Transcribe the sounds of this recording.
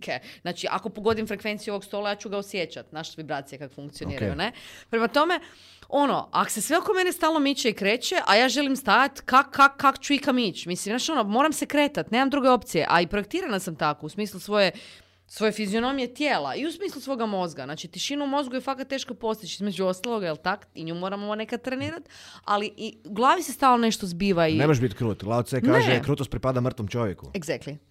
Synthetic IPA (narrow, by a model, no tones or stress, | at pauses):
kʰenaːt͡ʃiʔa̰ko̞po̞ɡo̞d̪imfɾe̞kʋe̞nt̪sijo̞ʋo̞kst̪o̞lajaːt͡ʃuɡaosje̞t͡ɕat̪naːʃtsibɾat̪sijekakofuŋkt̪sijoniːɾɾa̰jṵne̞pɾemat̪o̞me̞ | o̞no̞̰a̰ko̥se̞sʋe̞o̞kome̞nest̪aːlˠno̞mit͡ʃeikɾe̞ːt͡ɕe̞ʔajaːʒe̞limst̪ajat̪kakkːakːako̥t͡ɕuikamit͡ʃmislimnaːt͡ʃo̞nomo̞ːɾamsekɾe̞ːt̪at̪ne̞ːmamd̪ɾuːɡeo̞pt̪sije̞̰ʔaipɾoek̚t̪iːɾanasamt̪akousmiːslˠusʋo̞je | sʋo̞je̞fizio̞no̞mijet̪jeːla̰iusmiːslˠusʋo̞ɡamo̞zɡaznaːt͡ʃit̪iʃinumo̞zɡujefakat̪t̪ːe̞ːʃkopo̞st̪it͡ʃizme̞d͡ʒuo̞st̪alˠo̞ɡajelˠt̪ak̪iɲuːmo̞ɾamone̞kat̪ɾeniːɾat̪a̰liʔiuɡlˠaːʋisest̪aːlnone̞ʃt̪o̞zbiːʋainemoʒ̬bit̪kɾuːt̪laoseknaːʒekɾuːt̪ost̪̚pɾipad̪amr̩t̪ʋomt͡ʃo̞ʋjekueɡzakt̪i